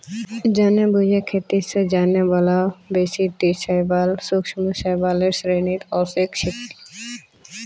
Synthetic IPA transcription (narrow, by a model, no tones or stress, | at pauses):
d͡ʑanebud͡ʑʱekʰet̪ised͡ʑanebɔlabeʃit̪iʃajbalsukʃɔmuʃajbaleɾsɾenit̪ɔsekʃikt̪i̥